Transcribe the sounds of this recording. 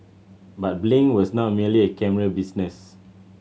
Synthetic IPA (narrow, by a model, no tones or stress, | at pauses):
bat̚blĩŋwɔsnɔt̚miəliekɛməɹəbisnɛs